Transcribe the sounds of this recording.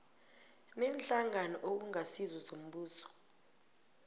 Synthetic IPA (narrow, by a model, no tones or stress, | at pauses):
mɛnɬaŋanɔʔok̬uŋasizɔzom̩ɓuːzɔ̥